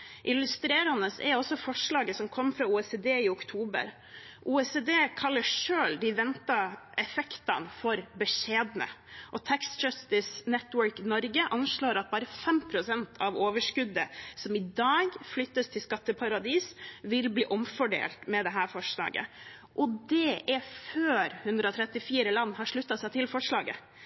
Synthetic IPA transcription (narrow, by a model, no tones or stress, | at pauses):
ʔɪlʉst̪ɾeːɾɑnəsɛ̰ɾɔsɔfɔʂɭɑːɡəsɔmkʰɔmːfɾɑuːɛseːd̪eːɪʊkt̪ʰuːbə̰ɾ | ʔuːɛsed̪eːkʰɑlːəʂøːld̪ɪʋɛnt̪ɑɛfɛkt̪ɑnfɔɾbəʂeːd̪nə̰ʔɔt̪ʰækst̪d͡ʒɑst̪ɪsnɛt̪ːwœɾknɔɾɡəʔɑnʂɭoːɾɑt̪̚bɑːɾəfɛmpʰɾʊsɛnt̪ʰɑʋoːʋəʂkʉd̪ːəsɔmɪd̪ɑːɡflʏt̪ːəst̪ʰɪlskɑt̪ːəpʰɑɾɑd̪iːsʋɪlbliːʔɔmfɔɖḛːlt̪mɛd̪ɛɦæːɾfɔʂɭɑ̰ːɡə̰ | ʔɔd̪ɛʔæføːɾhʉnd̪ɾəɔt̪ʰɾɛt̪ːɪfiːɾəlɑnːhɑʂɭʉt̪ːɑsæɪt̪ʰɪlfɔʂɭɑːɡə̰